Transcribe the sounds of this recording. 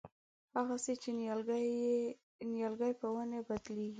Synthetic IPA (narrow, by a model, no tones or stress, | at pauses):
haɣaset͡ʃe | njalɡajpəwanabad̪leɡi